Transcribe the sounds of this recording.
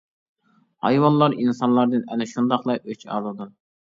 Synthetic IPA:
hɑ̰jwɑnlˠɑɾinsɑnlˠɑɾd̪ɨnɛnɛʃund̪ɑχlˠɑʔøt͡ʃʰɑ̰lˠɨd̪u

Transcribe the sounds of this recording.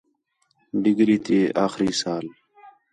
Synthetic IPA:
ɖɪɡɾiːt̪ʰeːa̰ːxɾiːsaːl

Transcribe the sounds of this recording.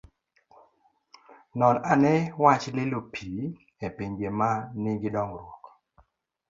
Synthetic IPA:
nɔnanɛwat͡ʃlɪlopʰi | epeɲɡemanɪɡɪdɔŋɾwɔk

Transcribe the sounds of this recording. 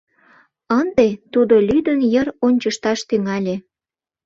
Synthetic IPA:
ənd̪et̪ud̪olʲyd̪ənjəɾonʲt͡ɕəʃt̪ɑʃt̪yŋɑlʲe

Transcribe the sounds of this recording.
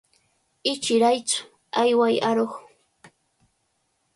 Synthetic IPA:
ɪt͡ʃɪɾajt͡sʊ̥ | ajwajaɾoχ

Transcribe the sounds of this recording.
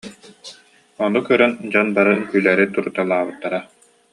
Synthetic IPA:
ɔnukœɾɛnd͡ʑɔnbaɾɯkyːlɛɾit̪uɾut̪alˠaːbɯt̪ːaɾa

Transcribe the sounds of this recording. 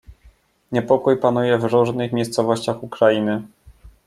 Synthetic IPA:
ɲɛpɔkujpan̪ujɛvɾuʐnɘxmʲjejst̪sɔvɔɕt͡ɕaxukɾajinɘ

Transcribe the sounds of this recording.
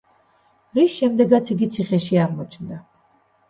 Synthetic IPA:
ɾisʃɛmd̪ɛɡat̪sʰiɡit̪sʰiχɛʃiaɾmɔt͡ʃʰnd̪a

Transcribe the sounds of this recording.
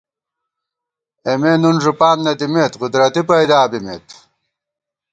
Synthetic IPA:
emeːnunʐupaːnnːɐd̪imeːt̪qʊd̪ɾɐt̪ipɐjd̪aːbimḛːt̪

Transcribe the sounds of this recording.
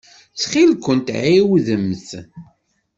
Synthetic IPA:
θχilkʷənt̪ʕiwðəmːθ

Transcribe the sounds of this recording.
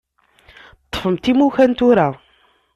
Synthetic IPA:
t̪ˤːfəmt̪imuçænt̪ʊɾæ

